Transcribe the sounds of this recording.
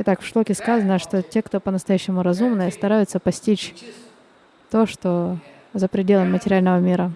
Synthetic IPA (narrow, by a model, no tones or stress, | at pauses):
ɪt̪akfʂlˠokʲɪskazənəʂt̪o̞tʲe̞kt̪o̞pənəst̪ɐjæɕːɪmʊɾɐzumnɨjəst̪ɐɾajʊt̪səpɐsʲtʲit͡ɕ | t̪o̞ʂt̪o | zəpɾʲɪdʲe̞lˠəmːətʲɪɾʲalʲnəvəmʲiɾə